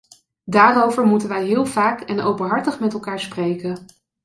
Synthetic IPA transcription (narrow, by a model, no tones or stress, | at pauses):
daːrowvəɹmutənʋɛjɦɪːlˠvaːkɛno̰wpənɦɑɹtəχmɛtɛlˠkaːɹsprejkən